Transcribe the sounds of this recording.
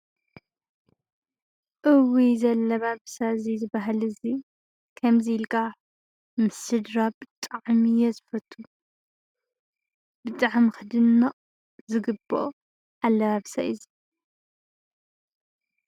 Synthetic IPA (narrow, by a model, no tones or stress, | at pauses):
ʔɨwizɐlːɐβaβsazizɨbaɦalɨzi | kʰɐmzilkʰa | mɨsɨd̪ɾabɨt̪ʼaʕmijɛzɨfɐt̪ʰʼːu | b̥ɨt̪ʼaʕmxɨd̪ɨnːɐqʼ | zɨɡɨbːo̰ | ʔalːɐβaβsaʔizi